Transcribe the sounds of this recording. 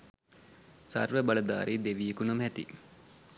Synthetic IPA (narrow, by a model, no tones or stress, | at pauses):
sa̰rʋəbaləd̪a̰ːɾʔid̪eʋijekunɐmɦæt̪ḭ